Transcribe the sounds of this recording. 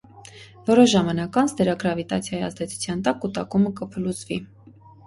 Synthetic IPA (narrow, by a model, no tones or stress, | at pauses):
vɔɾɔʃʒɑmɑnɑkɑnsd̪ɛɾɑɡɾɑvit̪ɑ̰t͡sʰjɑjiɑ̰zd̪ɛt͡sʰu̥t͡sʰjɑnt̪ɑkːut̪ɑkuməkəpʰəlut͡svi